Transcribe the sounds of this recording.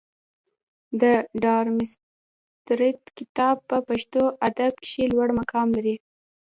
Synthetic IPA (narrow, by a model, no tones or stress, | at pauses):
d̪əɖɑɾmɪs | t̪ɾɪt̪kɪt̪ɑb̚pəpaʃt̪oʔad̪ab̚kʃelwaɽmakʰɑmlaɾi